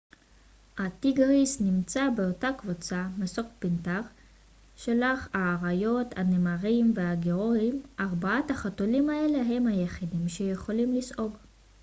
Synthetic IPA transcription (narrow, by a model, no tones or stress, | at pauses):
hatiɡaʁisnimt͡sabe̞o̞takvut͡samasokpintaʁ | ʃelaχaːʁajo̞tanemaʁimveaɡeʁo̞imʔaʁbaataχatolimaeleɦe̞mhajeχidimʃejeχo̞limlisʔo̞ɡ